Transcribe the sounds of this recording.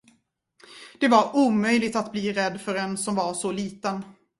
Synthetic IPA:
d̪̥ɛvaɾuːmœjlɪɡt̪at̪bliːɾɛd̪ːfœɾɛnsɔmvasɔliːt̪ən

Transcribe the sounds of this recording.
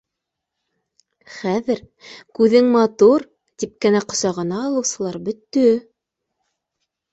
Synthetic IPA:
χæðɘɾ | kʉðɘŋmɑt̪uɾ | t̪ip̚kæ̆næqŏsɑʁɤ̆nɑːlˠɤ̆wsɤ̆lˠɑɾbɵ̆t̪ːɵ

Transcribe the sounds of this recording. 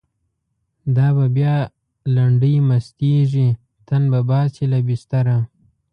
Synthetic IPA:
d̪ɑbabjɑ | laɳɖəjmast̪eʐi | t̪anbabɑsilabist̪aɾa

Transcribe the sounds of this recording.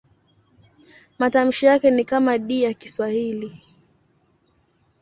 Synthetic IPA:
matam̩ʃijakɛnikamaɗiːjakiswahili

